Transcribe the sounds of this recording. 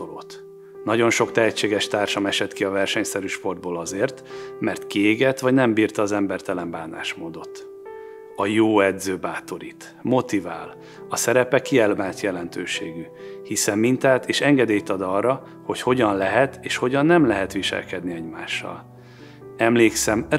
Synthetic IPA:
olo̰ːt̪ | nɒɟo̞nʃo̞kt̪ɛɦɛt͡ʃːeːɡɛʃt̪aːrʃɒmɛʃɛt̪kiɒvɛrʃɛɲsɛɾyːʃpo̞rd̪̚boːlɒzeːrt̪mɛrt̪kieːɡɛt̪ʋɒɟnɛmbiːrt̪ɒːzɛmbɛrt̪ɛlɛmbaːna̰ːʃmoːd̪o̞t̪ | ɒjoːɛd̪zøːbaːt̪o̞ɾit̪ | mo̞t̪iva̰ːl | ɒsɛɾɛpɛkiɛlmaːnt̪jɛlɛn̪t̪øːʃeːɡy | hisɛmːint̪aːt̪ʰeːʃɛŋɡɛd̪eːjt̪ɒd̪ɒrːɒ | ho̞cho̞ɟɒnlɛɦɛt̪eːʃho̞ɟɒnːɛmlɛɦɛt̪ʋiʃɛ̰lkɛd̪niɛɟmaːʃːɒ̰l | ɛmleːksɛm

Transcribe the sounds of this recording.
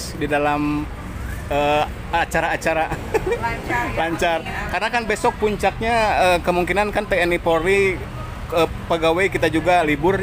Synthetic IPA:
sdidalam | ə | t͡ʃaɾaːt͡ʃaɾa | laɲt͡ʃarkarnakanbesɔk̚puɲt͡ʃak̚ɲaəkəmuŋkinankant̪eɛnipoɾi | ə | pəɡawajkit̪ad͡ʒuɡalibʊr

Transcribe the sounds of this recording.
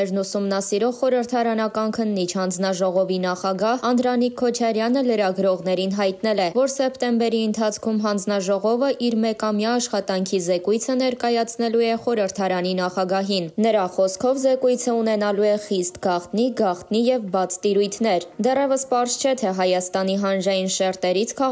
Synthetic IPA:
ɛɾnusumnɑsiɾɔʁχɔɾəɾt̪ʰɑɾɑnɑkɑnkʰənːit͡ʃʰhɑnd͡znɑʒɔʁɔvinɑχɑɡɑhɑnd̪ɾɑnikʰːɔt͡ʃʰɑɾjɑnələɾɑɡɾɔʁnɛɾinɦɑjt̪nɛlɛvɔɾsɛpt̪ɛmbɛɾiənt̪ʰɑt͡sʰkʰumɦɑnd͡znɑʒɔʁɔvəʔiɾmɛkɑmjɑːʃχɑt̪ɑŋkʰizɛkujt͡sʰənɛɾkɑjɑt͡sʰnɛluɛχɔɾəɾt̪ʰɑɾɑninɑχɑɡɑɦinnəɾɑχɔskʰɔvzɛkujt͡sʰəunɛnɑluɛχist̪ɡɑχt̪niɡɑχt̪nijɛvbɑt͡sʰt̪iɾujt̪ʰnɛɾd̪ɛrɛvəspɑɾzt͡ʃʰɛt̪ʰɛɦɑjɑst̪ɑn̪iɦɑnʒɑjinʃɛɾt̪ɛɾit͡sʰkʰɑ

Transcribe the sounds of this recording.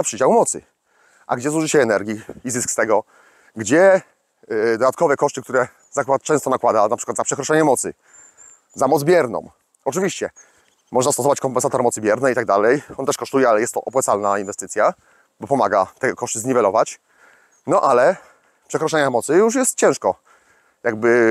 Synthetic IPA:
apʂɘd͡ʑawmɔt̪sɘ | ʔa̰ɡd͡ʑɛzuʐɘɕɛɛnɛɾɡʲjiizɘskst̪ɛɡɔ | ɡd͡ʑɛ | d̪ɔd̪at̪̚kɔvɛkɔʂt̪ɘkt̪uɾɛ | zakwat̪̚t͡ʂɛ̃st̪ɔnakwad̪anapʂɘ̥kwad̪zapʂɛkɾɔʂɛɲɛmɔt̪sɘ | zamɔd̪zbʲjɛɾnɔ̰̃m | ɔt͡ʂɘvʲiɕt͡ɕɛ | mɔʐnast̪ɔsɔvat͡ɕkɔmpɛnsat̪ɔɾmɔt̪sɘbʲjɛɾnɛit̪aɡ̚d̪alɛjɔnt̪ɛʂkɔʂt̪ujɛalɛjɛst̪ːɔʔɔpwat̪salnainvɛst̪ɘt̪sʲja | bɔpɔmaɡat̪ɛɡkɔʂt̪ɘzɲivɛlɔvat͡ɕ | nɔʔalɛ | pʂɛkɾɔʂɛɲamɔt̪sɘjuʂ̬jɛst̪̚t͡ɕɛ̃w̃ʂkɔ | jaɡ̚bɘ

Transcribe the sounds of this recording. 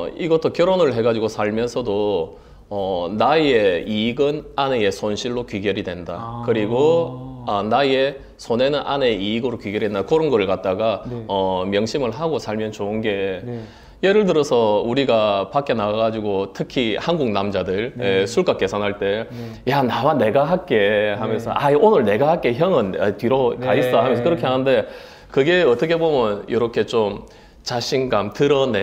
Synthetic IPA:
iɡʌt͈ʰokjʌɾonɯɭɦe̞ɡad͡ʑiɡosʰaɭmjʌnsʰʌdo | ʌnae̞iɡɯnane̞e̞sʰonɕʰiɭːokɥiɡjʌɾidwenda̰kɯɾiɡoʌnaje | sʰone̞nɯnʔa̰neiːɡɯɾokɥiɡjʌɾidendakʌɾonɡʌɾɯɭkat̚t͈aɡaʌmjʌŋɕʰimɯɭɦaɡosʰaɭmjʌnt͡ɕoɯnɡe̞ | je̞ɾɯɭt̬ɯɾʌsʰʌuɾiɡapak͈e̞naɡad͡ʑiɡotʰɯkʰihanɡuŋnamd͡ʑadɯɭjesʰuɭk͈ak͈e̞sʰanɦaɭt͈e̞ | janawane̞ɡaɦak͈e̞hamjʌnsʰʌʔaionɯɭne̞ɡahak͈e̞çjʌŋɯnatiɾʌkais͈ʌɦamjʌnsʰʌkɯɾʌkʰe̞ɦanɯnde̞ | kɯɡe̞ʌt͈ʌkʰe̞bomjʌnjoɾʌkʰe̞t͡ɕom | t͡ɕaɕʰinɡamtɯɾʌne

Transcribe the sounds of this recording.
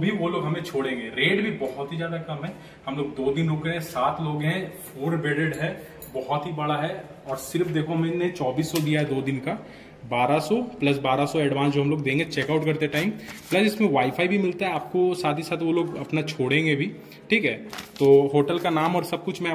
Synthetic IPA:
bʱiʋoloːɡɦɐmẽt͡ʃʰoːɽẽːŋɡeɾeːɖbʱibɔɦɔt̪ɦizjaːd̪akɐmɦɛ̃ː | hɐmloːɡ̚d̪oːd̪ɪnɦoːkeɛ̃saːt̪ʰloːɡɦɛ̃foːɾbeːɾeɖɦɛ | bɔɦɔt̪ɦibɐɽaɦɛ | ɔːɾsɪɾfd̪eːkʰoɦɐmẽnet͡ʃɔːbiːsːɔd̪ijaɦɛd̪oːd̪ɪnka | baːɾasɔplɐs̬baːɾasɔɛːɖʋãːnsd͡ʒoɦɐmloːɡd̪ẽːŋɡet͡ʃɛːkaːʊʈkɐɾt̪eʈaːɪmplɐsɪsmẽʋaːɪfʰaːibʱimɪlt̪aɦɛaːp̚kosaːt̪ʰisaːt̪ʰʋoloːɡɐpnat͡ʃʰoːɽẽːŋɡebʱi | ʈʰiːkɦɛːt̪oːɦoːʈəlkanaːmɔːɾsɐb̚kʊt͡ʃʰmɛ̃

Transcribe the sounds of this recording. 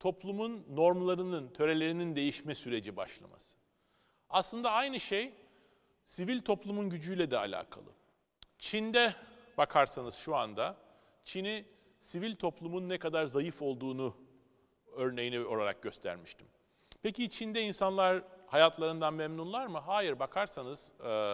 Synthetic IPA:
t̪ʰo̞plˠumunːo̞ɾmlˠaɾɯnɯnt̪ʰø̞ɾe̞lʲe̞ɾinind̪e̞jiʃmɛsyɾe̞d͡ʒiba̰ʃlˠa̰ma̰sɯ̥ | aslˠɯnd̪aajnɯʃej | sivilʲt̪ʰo̞plˠumunɟyd͡ʒyjlʲɛd̪ɛa̰lʲa̰ːkʰa̰lˠɯ̰ | t͡ʃʰind̪ɛb̥akʰaɾsanɯz̥ʃuand̪a | t͡ʃʰini | sivilʲt̪ʰo̞plˠumunːɛkad̪aɾzajɯfo̞lˠd̪uːnu | ø̞ɾne̞jinio̞lˠaɾa̰k̚ɟø̞st̪ʰæ̰ɾmiʃt̪ʰi̥m | pecit͡ʃʰind̪ɛinsanlˠaɾhajat̪ʰlˠaɾɯnd̪anmɛmnunlˠaɾmɯɦaːjiɾbakʰaɾsanɯz̥

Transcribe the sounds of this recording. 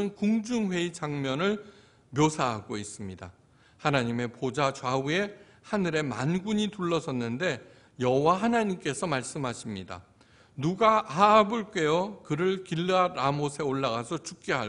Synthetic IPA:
ɯnkuŋd͡ʑuŋɸwe̞id͡ʑaŋmjʌnɯɭ | mjosʰaɦaɡois͈ɯmɲida̰ | hanaɲime̞pod͡ʑat͡ɕwaue̞ | hanɯɾe̞ma̰nɡuɲituɭːʌsʰʌnːɯnde̞ | jʌɦowaɦanaɲimk͈e̞sʰʌmaɭs͈ɯmɦaɕʰimɲida̰ | nuɡaʔaːbɯɭk͈e̞jʌkɯɾɯɭkiɭːaɾamosʰe̞oɭːaɡasʰʌt͡ɕuk̚k͈eɦa

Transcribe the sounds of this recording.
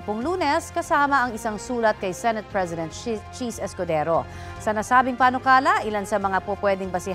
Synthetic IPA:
pʊŋluːnɛskɐsaːmɐʔɐŋɪsaŋsuːlɐt̪̚kɐjsɛnɛt̪̚pɹɛzɪd̪ɛ̃nt̪̚t͡ʃisɛskod̪ɛːɾo | sɐnasaːbɪŋpaːnokaːlɐʔɪlansɐmɐŋapopwɛːd̪ɪŋbɐsɪ

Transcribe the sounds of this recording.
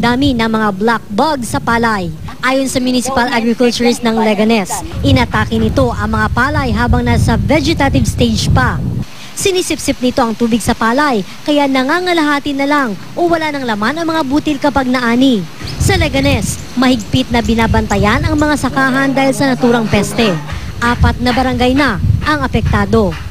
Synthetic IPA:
d̪aːminɐŋmɐŋablak̚baɡsɐpaːlɐj | ʔaːjo̞nsɐmjʊnisɪpalʔaɡɾɪkʊlt͡ʃʊɾsnɐŋlɛɡɐnɛsʔɪnɐt̪aːkɪnɪt̪o̞ʔɐŋmɐŋapaːlɐjɦaːbɐŋnasɐvɛd͡ʒɛt̪ɐt̪ɪvst̪ejd͡ʒpɐ | sɪniːsɪpsɪp̚nɪt̪o̞ʔɐŋt̪uːbɪɡsɐpaːlɐj | kɐjanɐŋaŋɐlɐɦaːt̪ɪnɐlaŋ | ʔowɐlanɐŋlɐmanɐŋmɐŋabuːt̪ɪlkɐpaɡ̚nɐʔaːni | sɐlɛɡɐnɛs | mɐhɪɡ̚pɪt̪̚nɐbɪnaːbɐnt̪ɐjanɐŋmɐŋasɐkaːɦɐnd̪aːhilsɐnɐt̪uːɾɐŋpɛst̪ɛ | ʔaːpɐt̪̚nɐbɐɾɐŋɡajnɐʔɐŋɐpɛk̚t̪aːd̪o̞

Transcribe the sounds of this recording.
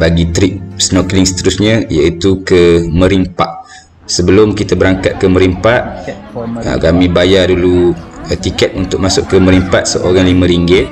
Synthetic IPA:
baɡit̪ɾiʔ̚snokliŋsə̥t̪əɾusɲə̃jait̪ukəmə̃ɾimpaʔ | səbəlʊmkit̪abəɾaŋkat̪̚kəməɾimpaʔ | ə̰kamĩbajadulut̪ikɛt̪̚unt̪ʊk̚masʊʔkːəmə̃ɾimpaʔ̪̚səʔoɾaŋlimə̃ɾiŋɡe

